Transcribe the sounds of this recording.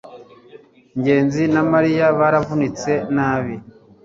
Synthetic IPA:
ɲɟe̞ːnzinamaɾijaβaːɾavunit͡se̞naːβi

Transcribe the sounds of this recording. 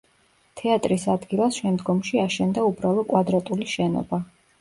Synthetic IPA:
t̪ʰɛat̪ʼɾisad̪ɡilˠasʃɛmd̪ɡɔmʃiaʃɛnd̪aubɾalˠɔkʼwad̪ɾat̪ʼuliʃɛnɔ̰ba

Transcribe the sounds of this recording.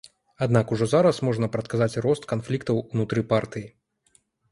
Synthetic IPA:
ad̪nakuʐɔzaɾɐsmɔʐnɐpɾɐt̪kazat͡sʲɾɔst̪kanflʲikt̪ɐwunut̪ɾɨpart̪ɨji

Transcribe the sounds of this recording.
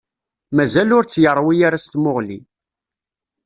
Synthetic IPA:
mæzælʊɾt͡sːjəɾˤːwijaɾast̪mʊʁli

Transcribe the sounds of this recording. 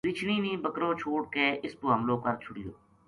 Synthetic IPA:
ɾit͡ʃʰniːnĩːbəkɾõːt͡ʃʰoːɽ̚keːʔɪstoɦəmlõːkəɾt͡ʃʰʊɽijo̰ː

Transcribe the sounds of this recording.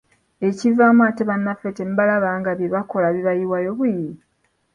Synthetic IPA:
e̞civaːmwateβanːafetembalaβaŋɡaβjeβako̞laβiβajiwajoβuji

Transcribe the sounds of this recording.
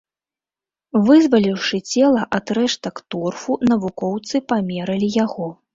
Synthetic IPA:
vɨzvɐlʲiwʂɨt͡sʲɛlˠɐʔad̪ɾɛʂt̪ɐkt̪ɔrfunɐvukɔwt̪sɨpamʲɛɾɐlʲijaɣɔ

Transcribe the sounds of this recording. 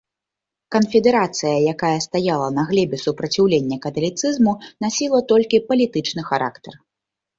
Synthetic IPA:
kɐnfʲɛd̪ɛɾat̪sɨjɐjakajɐst̪ajalˠɐnɐɣlʲɛbʲɛsupɾɐt͡sʲiwlʲenʲːɐkɐt̪ɐlʲit̪sɨzmunasʲilˠɐt̪ɔlʲkʲipɐlʲit̪ɨt͡ʂnɨxaɾʔa̰kt̪ɛr

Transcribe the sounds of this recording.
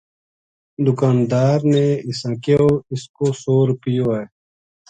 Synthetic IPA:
d̪ʊkaːnd̪aːɾneːɪsãkeoːɪskoːsoːɾpijoːeː

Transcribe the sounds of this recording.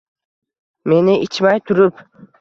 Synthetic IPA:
me̞nɪɪt͡ʃmajt̪ʰʊɾɪp

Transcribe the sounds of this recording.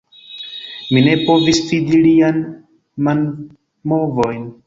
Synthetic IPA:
mine̞po̞visfid̪ilian | man | mo̞vo̞jn

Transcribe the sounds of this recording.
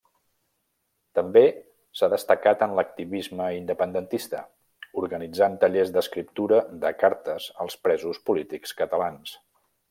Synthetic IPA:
t̪əmbe | saðəst̪əkat̪ənlək̚t̪iβizməind̪əpənd̪ənt̪ist̪ə | uɾɣənid͡zant̪əʎezd̪əskɾip̚t̪uɾəðəkaɾt̪əzəlˠspɾɛzuspulit̪ikskət̪əlans

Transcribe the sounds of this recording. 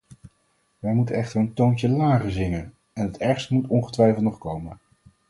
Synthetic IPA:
ʋɛjmutənɛχtərəntowntəlaːχəzɪŋən | ɛnɦətɛɹχstəmutɔnχətʋɛjflˠtnɔχkowmən

